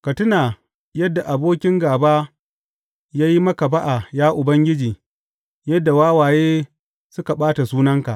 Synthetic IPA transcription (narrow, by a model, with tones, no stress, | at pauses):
kɐ˨tʊ˦naː˨ | jɐ˦dːa˨ʔa˨boː˦kʲɪ˦ŋɡaː˨baː˦ | jaː˦ji˦mɐ˦ka˨ba˦ʔa˨jaː˦ʔʊ˨bɐ˦ŋɡʲɪ˦d͡ʒiː˨ | jɐ˦dːa˨waː˦waː˨jeː˦ | sʊ˦ka˨ɓaː˦ta˨suː˦nɐ˦ŋka˨ʔ